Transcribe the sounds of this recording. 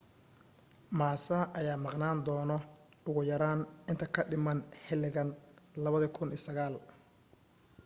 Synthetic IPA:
maːsɐʔɐjaːmɑqnaːnd̪ɔːnɔʊɣʊjɐɾaːnɪnt̪ʰɐkʰɐɖɪmɐnhɛlɪɣɐnlɐβɐðɐkʰʊniːsɐɣaːl

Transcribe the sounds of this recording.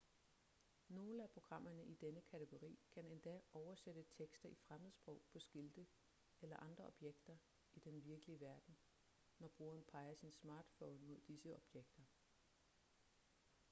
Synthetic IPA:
no̝ːləæpʰʁo̝ɡ̥ʁɑ̈m̰ɐnəʔid̥enəkʰæt͡sʰeɡ̥o̝ʁḭːkʰæne̝nd̥ɛ̰ɒʊɐsed̥ət͡sʰeɡ̥sd̥ɐifʁaməð̩ˠsb̥ʁɔ̽ʊ̰pʰɒ̽sɡ̥ild̥ə | elɐʔɑ̈nd̥ʁɐʔɒ̽b̥jeɡ̥d̥ɐ | id̥enʋiɐɡ̥əliəʋæɐd̥n̩ | nɒb̥ʁo̝̰ːɐnpʰɑ̈ɪɐsinsmɑ̈ːd̥fɔʊnmo̝ð̰ˠd̥isəɒ̽b̥jeɡ̥d̥ɐ

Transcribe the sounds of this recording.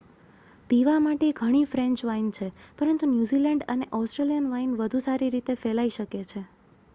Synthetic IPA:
piʋamaʈeɡʱəɽ̃ifɾẽɲt͡ʃʋaint͡ʃʰepəɾənt̪unjuzilɛɳɖəneʔɔsʈɾelijənʋainʋəd̪ʱusaɾiɾit̪efɛlaiʃəket͡ʃʰe

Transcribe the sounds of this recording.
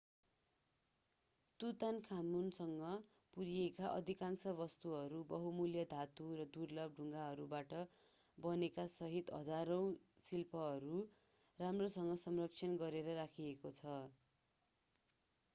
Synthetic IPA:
t̪ut̪ankʰamunsʌŋɡʌ | puɾiekaʔʌ̰d̪ʱikansʌβʌst̪uɦʌɾubʌɦumuljʌd̪ʱat̪urʌd̪urlʌb̚ɖʱuŋɡaɦʌɾubaʈʌ | bʌnekasʌɦit̪ɦʌ̰d͡zaɾow̃silpʰʌɦʌɾu | ramrosʌŋɡʌsʌmrʌk̚t͡sʰʌnɡʌɾeɾʌɾakʰiekot͡sʰʌ

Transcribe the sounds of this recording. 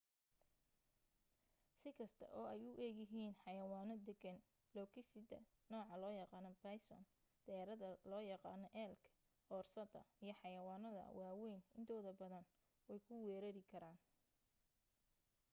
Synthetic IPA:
sɪkʰɐst̪ʰɐ̰ʔɔːɛjʊʔɛːɣɪɦiːnħɑjɐwaːnɔd̪ɛɡɐn | lɔːkʰɪsɪd̪ɐ̰nɔːʕɑlɔːjɑqɑːnɔbɐjsɔ̰n | d̪̥ɛːɾɐðɐlɔːjɑqɑ̰ːnɔʔɛːlkʰɐ̥ | hɔːrsɐd̪ɐ̰ijɞħɑjɐwaːnɐðɐ̰wɑːwɛjnɪnt̪ʰɔːðɐbɐðɐn | wɛjkʰʊwɛːɾɐɾɪkʰɐɾaːn

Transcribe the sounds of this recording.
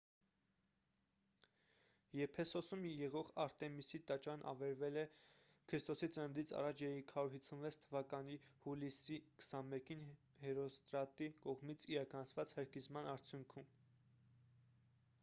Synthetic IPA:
jɛpʰɛsɔsumjɛʁɔʁɑɾt̪ɛmisit̪ɑt͡ʃɑnʔɑ̰vɛɾvɛlɛ | kʰəɾist̪ɔsit͡sʰənd̪it͡sʰɑ̰rɑt͡ʃʰjɛɾɛkʰɑɾuɾhit͡sʰunvɛt͡sʰt̪ʰəvɑkɑnihulisikʰə̥sɑnmɛkin | hɛɾɔst̪ɾɑt̪ikɔʁmit͡sʰiɾɑkɑnɑt͡sʰvɑt͡shəɾkizmɑnɑɾt͡sʰjuŋkʰum

